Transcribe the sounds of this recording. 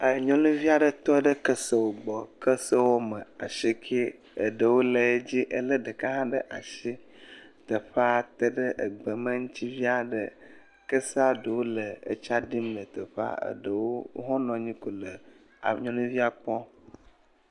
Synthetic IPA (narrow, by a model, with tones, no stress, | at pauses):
ə˨ɲɔ̃˦lũ˦vi˦a˨ɖə˨t̪ɔ˦ɖə˦kə˦sə˦wo˨ɡ͡bɔ˨kə˦sə˦wo˦mə˨a˨ʃi˦kʰi˦ | ə˨ɖə˨wo˦lə˨e˦d͡ʑi˦ʔə˨lə˦ɖə˨ka˦ɦã˦ɖə˦ʔa˨ʃi˦ | t̪ə˨ɸa˦t̪ə˦ɖə˦ʔə˨ɡ͡bə˨mə˦ŋũ˦t͡ɕi˦vi˦a˨ɖə˨ | kə˦sa˨˦ɖə˨wo˦lə˨ə̰˨t͡ʃa˦ɖi˦mlə˨t̪ə˨ɸa̰˦ə̰˨ɖə˨wo˦ɦɔ̃˦nɔ̃˨ɲĩ˦ko˨lə˨ | a̰˨ɲɔ̃˦nũ˦vi˦a˨k͡pɔ˦